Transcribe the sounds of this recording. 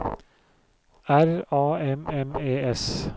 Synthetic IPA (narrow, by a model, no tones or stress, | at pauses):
æɾɑːɛmɛmeːɛs